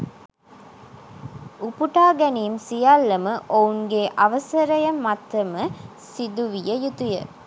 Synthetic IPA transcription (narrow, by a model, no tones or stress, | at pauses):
upuʈaːɡæniːmsijalːɐmɐʔouŋɡeːʔɐʋɐsɐɾɐjɐmɐt̪ːɐmə | sid̪uʋijɐjut̪ujɐ̰